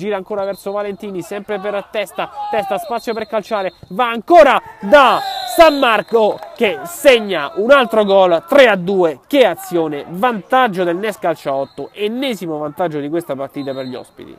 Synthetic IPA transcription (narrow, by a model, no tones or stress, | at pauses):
d͡ʒiːɾaːŋkoːɾavɛrsovalent̪iːnisɛmpɾepeɾat̪ːɛst̪at̪ɛst̪aspat̪sːjoperkalt͡ʃaːɾevaːŋkoːɾad̪asamːarkok̟eseɲːaunalt̪ɾoɡɔlt̪ɾead̪ːuːek̟eat̪sːjoːnevant̪ad͡ʒːod̪elnɛskalt͡ʃaɔt̪ːoʔenːɛːzimovant̪ad͡ʒːod̪ikwest̪apart̪iːt̪aperʎiɔ̰spḭt̪ḭ